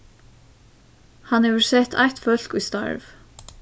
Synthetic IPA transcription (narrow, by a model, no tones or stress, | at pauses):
hanhɛʋəɹsɛht̪ʰa̰jht̪fœl̥kujst̪a̰ɹv